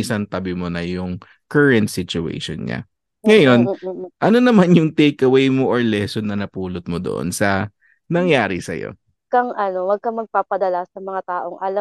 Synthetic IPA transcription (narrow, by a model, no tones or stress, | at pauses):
ʔɪsɐnt̪ɐbɪmonɐjʊŋ | kɛɹɛnt̪̚sɪt͡ʃʊḛjʃo̰nɲa̰ | ŋɐjo̞nʔɐno̞nɐmanjʊŋt̪ejkɐwejmoʔoɹlɛsonːɐnɐpuːlot̪̚mod̪oʔo̰nsɐ | nɐŋjaːɾɪsɐ̰jo̰ | kɐŋʔɐnowɐɡ̚kɐŋmɐɡ̚paːpɐd̪ɐlasɐmɐŋat̪aːʔoŋʔɐlɐ